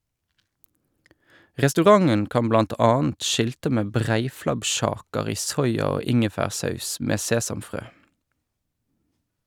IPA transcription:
ʁɛstʉˈʁɑŋən ˈkɑm ˈblɑnt ˈɑːənt ˈʃɪltə ˈmeː ˈbʁæɪflɑbˌʃɑːkəʁ ˈiː ˈsɔʏɑ ˈoː ˈɪŋəfæːʁˌsɑʉs ˈmeː ˈseːsɑmˌfʁøː

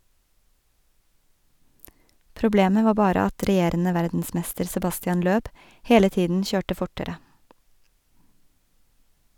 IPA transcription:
pɾʊˈbleːmə ˈʋɑː ˈbɑːɾə ˈɑt ɾɛˈjeːɾənə ˈʋæɾdn̩ˌsmɛstəɾ sɛˈbɑstɪɑn ˈløːb ˈheːlə ˈtiːdn̩ ˈçøːʈə ˈfʊʈəɾə

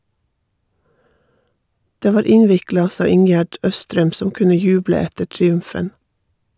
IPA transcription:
ˈdeː ˈʋɑːɾ ˈɪnʋɪklɑ ˈsɑː ˈɪŋjæɖ ˈœstɾɛm ˈsɔm ˈkʉnə ˈjʉːblə ˈɛtə ʈɾɪˈʉmfən

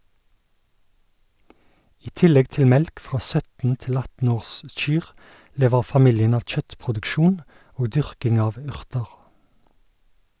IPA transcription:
ˈiː ˈtɪlɛɡ ˈtɪl ˈmɛlk ˈfʁɑː ˈsœtn̩ ˈtɪl ˈɑtn̩ ˈoːʁˌsc͡çyːʁ ˈleːʋəʁ fɑˈmɪljən ˈɑʋ ˈc͡çœtpʁʊdʉkˌʃuːn ˈoːɡ ˈdʏʁkɪŋ ˈɑːʋ ˈʉʁtəʁ

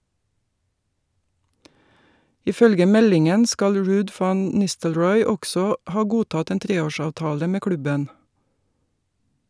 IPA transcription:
ɪˈfœlɡə ˈmɛlɪŋən ˈskɑl ˈɹʉːd ˈfɑn ˈnɪstəlɹɔʏ ˈɔɡsɔ ˈhɑː ˈɡuːtɑt ˈeːn ˈtɾeːˌoːˌʃɑːʋtɑːlə ˈmeː ˈklʉbən

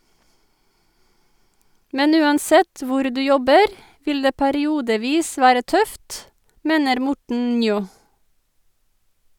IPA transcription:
ˈmɛn ˈʉːɑnˌsɛt ˈʋʊɾ ˈdʉː ˈjɔbəɾ ˈʋɪl ˈdeː pæɾɪˈuːdəˌʋiːs ˈʋæːɾə ˈtœft ˈmeːnəɾ ˈmʊʈɳ̩ ˈnjoː

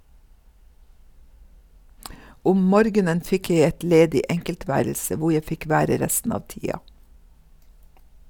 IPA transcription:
ˈʊm ˈmɔɾɡənən ˈfɪk ˈjæɪ ˈɛt ˈleːdɪ ˈʔɛŋkəlˌtʋæːɾl̩sə ˈʋʊ ˈjæɪ ˈfɪk ˈʋæːɾə ˈɾɛstn̩ ˈɑːʋ ˈtiːɑ

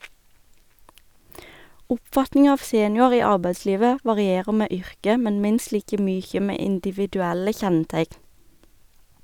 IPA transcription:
ˈʊpˌfɑtnɪŋɑ ˈɑːʋ ˈseːnjʊɑʁ ˈiː ˈɑʁbæɪˌsliːʋə ʋɑʁɪˈeːʁə ˈmeː ˈʏʁkə ˈmɛn ˈmɪnst ˈliːkə ˈmyːçə ˈmeː ɪndɪʋɪdʉˈælə ˈçɛnˌtæɪkn

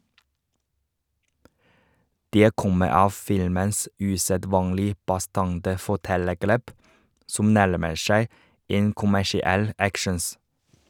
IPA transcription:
ˈdeː ˈkɔmə ˈɑːʋ ˈfɪlməns ʉsəˈdʋɑːŋlɪ bɑˈstɑŋtə fɔˈʈɛləˌɡɭeːp ˈsʊm ˈnæɭməɾ ˈʃæɪ ˈeːn kʊmæʃɪˈɛl ˈækʃɳ̩s

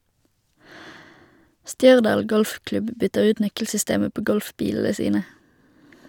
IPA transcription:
ˈʃtjœʁdɑːl ˈɡɔlfˌklʉb ˈbʏtəʁ ˈʉːt ˈnœkl̩sʏˌsteːmə ˈpoː ˈɡɔlfˌbiːll̩ə ˈsiːnə

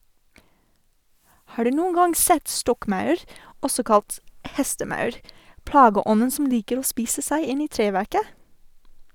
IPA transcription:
ˈhɑː ˈɖʉː ˈnuːn ˈɡɑŋ ˈsɛt ˈstɔkˌmɑʉɾ ˈɔsɔ ˈkɑlt ˈhɛstəˌmɑʉɾ ˈplɑːɡəˌɔnn̩ sm̩ ˈliːkəɾ ˈoː ˈspiːsə ˈsæɪ ˈɪn ˈiː ˈtɾeːʋæɾkə

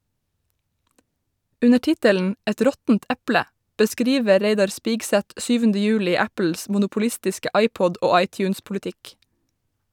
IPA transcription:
ˈʉnə ˈtɪtəln̩ ˈɛt ˈɾɔtn̩t ˈʔæplə bəˈskɾiːʋə ˈɾeɪdɑɹ ˈspiːɡsæt ˈsyːʋəndə ˈjʉːlɪ ˈæpəls mʊnʊpʊˈlɪstɪskə ˈʔɑɪpɔd ˈʔoː ˈɑɪcjʉːnspʊlɪˌtɪk

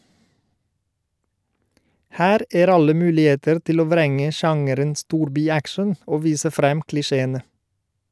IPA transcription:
ˈhæːɾ ˈeːɾ ˈɑlə ˈmʉːlɪˌeːtəɾ ˈtɪl ˈoː ˈʋɾɛŋə ˈʃɑŋəɾən ˈstuːɾbɪˌækʃən ˈoː ˈʋiːsə ˈfɾɛm klɪˈʃeːənə

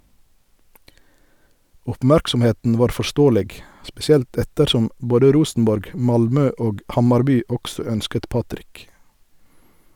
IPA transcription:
ɔpˈmæɾksɔmˌheːtn̩ ˈʋɑːʁ fɔˈʃtoːəlɛɡ spɛsɪˈɛlt ˈɛtəɾˌʃɔm ˈboːdə ˈɾuːsn̩ˌbɔɾɡ ˈmɑlˌmøː ˈoːɡ ˈhɑmɑɾˌbyː ˈɔɡsɔ ˈœnskət ˈpɑtɾɪk

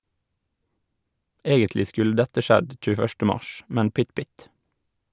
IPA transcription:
ˈeːɡəntlɪ ˈskʉl ˈdɛtə ˈʃɛd c͡çʉːəˈfœʃtə ˈmɑʃ ˈmɛn ˈpʏt ˈpʏt

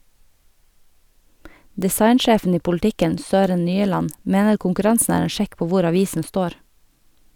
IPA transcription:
dɪˈsɑɪnˌʃeːfn̩ ˈiː pʊlˈtɪkən ˈsøːɾən ˈnyːəlɑn ˈmeːnəɾ kʊŋkʉˈɾɑnsn̩ ˈæːɾ ˈeːn ˈʃɛk ˈpoː ˈʋʊɾ ɑˈʋiːsn̩ ˈstoːɾ

